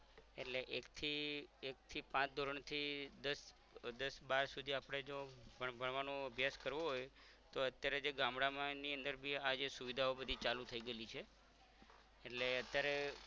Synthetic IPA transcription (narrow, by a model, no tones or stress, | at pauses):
eʈleʔekt̪ʰiek̚t̪ʰipãt͡ʃd̪ʱoɾəɳt̪ʰid̪əs | d̪əsbaɾsud̪ʱiapɽ̃ed͡ʒobəbʱəɳʋanoəbʱjaskəɾʋoɦoj | t̪oət̪jaɾed͡ʒeɡamɽamãniənd̪əɾbʱiad͡ʒesuʋid̪ʱaobəd̪ʱit͡ʃalut̪ʰəiɡəelit͡ʃʰe | eʈleət̪jaɾe